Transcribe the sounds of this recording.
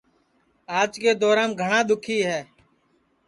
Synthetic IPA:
aːd͡ʒkeːd̪ɔːɾãːmɡʱəɳãːɗ̪ʊkʰiːɦɛː

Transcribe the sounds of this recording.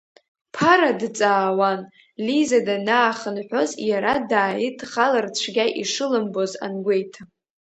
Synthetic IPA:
pʰaɾadt͡sʼaːwan | lizadanaːχənħʷᶣo̞zjaɾadaːjitʰχalɨrt͡ɕʷʰɡʲaʔiʂɨlɨmbo̞za̰nɡʷe̞jtʰa

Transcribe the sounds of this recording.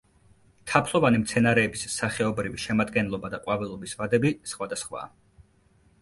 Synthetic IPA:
t̪ʰapʰlˠɔvanimt̪sʰɛnaɾɛːbisːaχɛɔbɾiviʃɛmad̪ɡɛnlˠɔbad̪aqʼwavɛlˠɔbisvad̪ɛbisχwad̪asχwa̰ː

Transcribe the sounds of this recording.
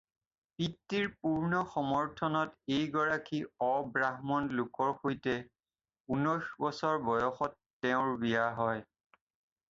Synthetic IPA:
pitːiɹpuɹnɔxɔmɔɹtʰɔnɔtejɡɔɹakiɔbɹaɦmɔnlʊkɔɹxojtɛ | unɔjxbɔsɔɹbɔjɔxɔtːɛʊ̃ɹbijaɦɔj

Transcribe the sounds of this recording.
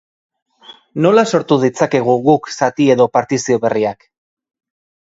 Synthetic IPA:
no̞laso̞ɾt̪uðit͡sake̞ɣ̞uɣuksat̪ie̞ðo̞paɾt̪isio̞βe̞riak

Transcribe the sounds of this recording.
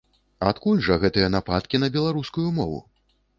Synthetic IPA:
at̪kulʲʐɐɣɛt̪ɨjɐnapat̪̚kʲinɐbʲɛlˠaɾuskujumɔvṵ

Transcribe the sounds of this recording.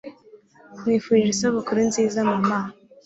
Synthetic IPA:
mwiːfuʒisoβukuɾunziːzamumaːn

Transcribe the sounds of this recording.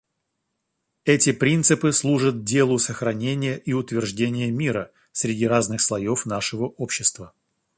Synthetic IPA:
ɛtʲɪpɾʲint̪sɨpɨslˠuʐət̪̚dʲe̞lˠʊsəxɾɐnʲenʲɪjəʔiʊt̪vʲɪrʐdʲenʲɪjəmʲiɾə | sʲɾʲɪdʲiɾaznɨxslˠɐjo̞fnaʂɨvəʔopɕːɪst̪və

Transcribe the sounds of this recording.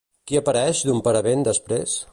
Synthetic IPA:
kiəpəɾɛʃd̪umpaɾəβend̪əspɾes

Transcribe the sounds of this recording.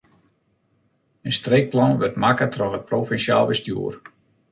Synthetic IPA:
ənstreːk̚plɑnʋərtmakətrɔxət̚profɛnsja̰ːlˠʋəstjṵər

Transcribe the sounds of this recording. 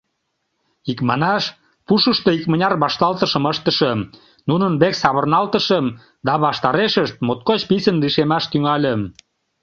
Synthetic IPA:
ikmɑnɑʃ | puʃəʃt̪oikmə̆nʲɑrβɑʃt̪ɑlt̪ə̆ʃə̆məʃt̪ə̆ʃə̆m | nunənbeksɑβə̆rnɑlt̪ə̆ʃəm | d̪ɑβɑʃt̪ɑɾeʃəʃt̪̚mot̪̚kot͡ɕpisənliʃemɑʃt̪yŋɑlʲə̆m

